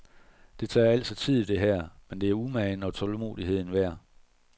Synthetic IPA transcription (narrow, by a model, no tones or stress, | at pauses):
d̥e̝t͡sʰɑ̰̈ːæl̰sɒt͡sʰið̰ˠid̥e̝ɦæɐ̰mend̥e̝æɐumæɪnɒ̽t͡sʰɒ̽lmo̝̰ːðˠiɦe̝ð̰ˠn̩ʋæɐ̰